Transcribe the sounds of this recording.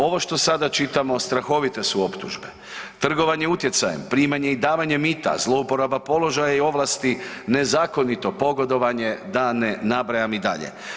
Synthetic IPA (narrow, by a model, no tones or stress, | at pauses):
o̞ʋo̞ʃt̪o̞sad̪at͡ʃit̪amo̞st̪ɾaxo̞ʋit̪e̞suo̞pt̪uʒbe | t̪r̩ɡo̞ʋaɲeut̪je̞t̪sajempɾiːmaɲe̞id̪aːʋaɲemit̪a̰zlˠo̞upo̞ɾabapo̞lo̞ʒajaio̞ʋlˠast̪ine̞zaːko̞nit̪o̞po̞ɡo̞d̪o̞ʋaɲe̞d̪anenabɾajamid̪a̰ʎḛ